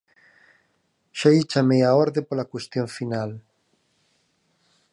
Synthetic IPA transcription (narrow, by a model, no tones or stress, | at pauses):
ʃait͡ʃameaɔɾðepolakwest̪joɱfinal